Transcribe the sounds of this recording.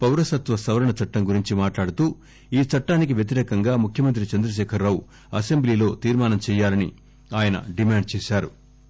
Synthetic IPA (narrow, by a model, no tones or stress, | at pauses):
pɐwɾɐsɐt̪ʋɐsɐʋɐɾɐɳɐt͡ʃɐʈːɐmɡuɾiɲt͡ʃimaːʈlaːɽut̪uː | iːt͡ʃɐʈːaːnik̬iʋjet̪̬iɾɛːkɐŋɡaːmukʰjɐmɐnt̪ɾit͡ʃɐnd̪ɾɐʃ̬ɛːkʰɐɾːaːwu | ɐsembliːlo̞ːt̪iːɾmaːnɐmt͡ʃɛːjːaːlɐnḭ | aːjɐnɐ̰ɖimaːɳɖ̚t͡ʃɛːʃaːɾu